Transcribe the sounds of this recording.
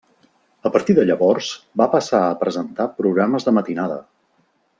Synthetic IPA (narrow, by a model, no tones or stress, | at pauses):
əpəɾt̪iðəʎəβɔrz̥bapəsaəpɾəzənt̪apɾuɣɾaməzðəmət̪inaðə̰